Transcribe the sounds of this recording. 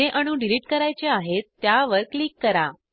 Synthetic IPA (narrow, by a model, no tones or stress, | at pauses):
eʔəɽ̃ũɖiliʈ̚kəɾajt͡ɕeaɦet̪ːjaʋəɾklikːəɾa